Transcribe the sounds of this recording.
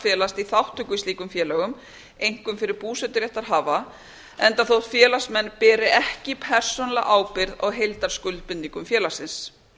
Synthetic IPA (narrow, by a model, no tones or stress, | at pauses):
fjɛːlast̪iθawht̪ʏkːʏisliːkʏmfjɛːlɛɣʏm | ejŋ̥kʏmfɪɾɪɾpuːsɛt̪ʏɾjɛht̪aɾ̥ɦaːva | ɛnt̪aθowht̪fjɛːlḁsmɛnːpɛːɾɪʔɛhcɪpʰɛr̥sɔnala̰ɣʔaːwpɪɾðɔ̰ɣɦejlt̪aɾ̥skʏlt̪̚pɪnːiŋkʏmfjɛːlasɪns